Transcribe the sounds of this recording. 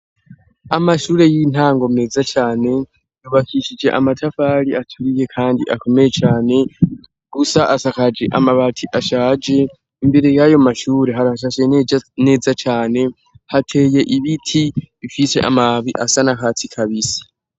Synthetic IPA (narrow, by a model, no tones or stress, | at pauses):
amaʃuːɾe̞jin̥haːŋɡo̞mne̞ːzat͡ʃaːne̞ | juβakiʃid͡ʒe̞̰ʔamatʰafaɾiatʰuɾije̞kʰaːndiʔako̞me̞jet͡ʃaːne̞ | ɡ̥usaʔasakad͡ʒe̞ʔamaβatʰiʔaʃaːd͡ʒe̞ | imbe̞ɾejajo̞maʃuːɾe̞ɦaɾaʃ̬aʃene̞ːzat͡ʃaːne̞ | hatʰe̞ːje̞ʔiβitʰiβifise̞̰ʔa̰maβiʔasanakaːt͡sikʰaβisi̥